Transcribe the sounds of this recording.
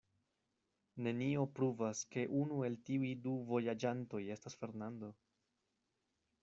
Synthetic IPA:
ne̞nio̞pɾuvaske̞ʔunue̞ltiuiduvo̞jad͡ʒanto̞je̞stasfe̞ɾnando̞

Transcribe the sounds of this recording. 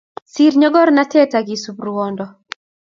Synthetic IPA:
siɾɲɔɡɔɾnatɛtaɡisubrwɔndɔ

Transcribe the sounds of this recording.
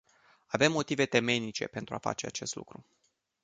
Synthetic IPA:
ave̞mːo̞t̪ive̞t̪e̞me̞nit͡ʃe̞̰pe̞nt̪ɾuafa̰t͡ʃe̞at͡ʃe̞st̪lṵkɾu

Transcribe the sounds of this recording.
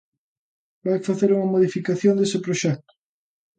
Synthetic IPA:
bajfaθeɾuŋɐmoðifikaθjond̪esɪpɾoʃɛk̚t̪ʊ̥

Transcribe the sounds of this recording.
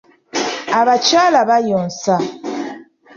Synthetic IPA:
aβat͡ʃalabajɔnsa

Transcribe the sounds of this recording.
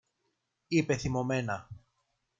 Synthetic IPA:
ipe̞θimo̞me̞nɐ

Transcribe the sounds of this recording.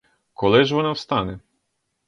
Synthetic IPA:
kɔlˠɪʒʋɔnɑwst̪ɑnɛ

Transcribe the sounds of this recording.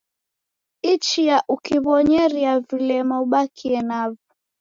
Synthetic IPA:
it͡ʃijaʔukiβɔɲɛɾiavilɛmauɓakʰiɛnavu

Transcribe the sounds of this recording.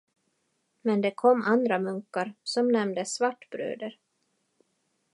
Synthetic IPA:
mɛnd̪ɛkʰɔmːand̪ɾamɵŋkːaɾsɔmnɛmd̪əsvaʈːbɾø̰ːd̪əɾ

